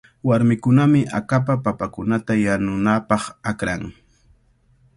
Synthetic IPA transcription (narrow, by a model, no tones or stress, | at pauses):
waɾmɪkʊnamɪʔa̰kapapapakʊnat̪ajanʊnapɑχakɾaŋ